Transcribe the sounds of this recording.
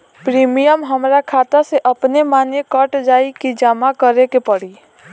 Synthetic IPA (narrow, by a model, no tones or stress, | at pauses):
pɾimijəmɦəmɾakʰat̪aseʔəpnemanekəʈd͡ʒaikid͡ʒamakəɾekepəɽi